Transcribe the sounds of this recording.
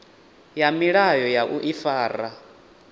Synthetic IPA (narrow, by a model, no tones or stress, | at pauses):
jamiɺajɔjaʔuʔifaːɾa